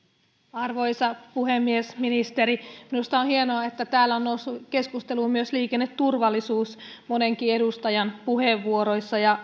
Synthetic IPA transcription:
ɑrʋo̞jsɑpuhemːiesminist̪eɾiminust̪ɑonhie̞noɑet̪ːæt̪æːlːæonːousːuke̞skust̪eluːmyøsliːkenːet̪turʋɑlːˑisuːsmoneŋkie̞dust̪ɑjɑnpuheʋːuoɾo̞jsːɑjɑ

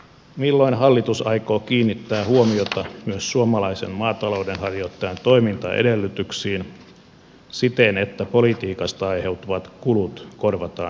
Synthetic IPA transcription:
milːoinhɑlːit̪usɑikoːkiːnːit̪ːæːhuomiot̪ɑmyøssuomɑlɑisenmɑːt̪ɑlo̞udenhɑrjot̪ːɑjɑnt̪o̞imint̪ɑ̰ʔḛdelːyt̪yksiːn | sit̪enet̪ːæpolit̪iːkɑst̪ɑɑihe̞wt̪uʋɑt̪kulut̪korʋɑt̪ɑːn

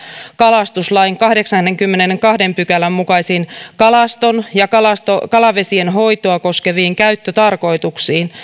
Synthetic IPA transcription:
kɑlɑst̪uslɑjŋkɑhde̞ksɑnnːeŋkymːenenŋkɑhde̞mpykælæmːukɑisinkɑlɑst̪onjɑkɑlɑst̪okɑlɑʋe̞sienɦo̞jt̪oɑko̞skeʋiːŋkæyt̪ːøt̪ɑrko̞it̪uksiːn

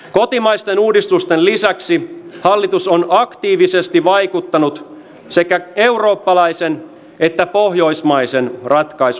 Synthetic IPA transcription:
ko̞t̪imɑjst̪e̞nuːdist̪ust̪enlisæksihɑlːit̪usonɑkt̪iːʋise̞st̪iʋɑjkut̪ːɑnut̪ | se̞kæe̞wro̞ːpːɑlɑjse̞n | e̞t̪ːæpoɦjo̞ismɑjse̞nrɑt̪kɑis

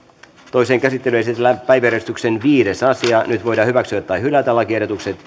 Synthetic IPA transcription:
t̪o̞jseːŋkæsit̪ːelyjsit̪ælæpːæjʋæɾest̪yksenʋiːde̞sɑsiɑnyt̪ʋojdɑːhyʋæksyæt̪ːɑjhylæt̪ælːɑk̟ieɾot̪ukset̪

